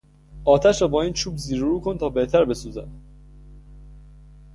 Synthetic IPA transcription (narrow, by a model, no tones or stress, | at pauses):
ʔɒːt̪ʰæʃɾɒːbɒːiːnt͡ʃʰuːbziːɾoɾuːkʰont̪ʰɒːbe̞ht̪ʰæɾbe̞suːzæ̰n